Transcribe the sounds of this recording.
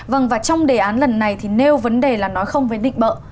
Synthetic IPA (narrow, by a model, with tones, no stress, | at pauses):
və˧˩ŋvaː˨˩t͡ɕɔ˧wŋ͡mɗe˨˩ʔaː˨˦nlə˨˩nːa˨˩jt̪ʰi˨˩ne˧wvə˨˦nɗe˨˩laː˨˩nɔ˨˦jxə˧wŋ͡mvəː˨˦jɗḭ˧˨ŋ̟ɓə̰ː˧˨